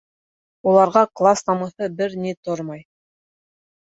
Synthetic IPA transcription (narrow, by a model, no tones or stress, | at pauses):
ulˠɑɾʁɑklˠasnɑmɤ̆θɤbɘɾnit̪oɾmɑj